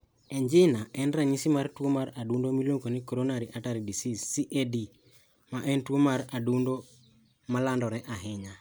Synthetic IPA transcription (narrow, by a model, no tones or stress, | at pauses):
ɛɲd͡ʒɪnaʔɛnɾaɲisimaɾtwomaɾadundomiloŋkonikoɾonaɾiʔataɾidisisiʔedi | maʔɛntuomaɾadundo | malandɔɾɛʔaɦɪɲa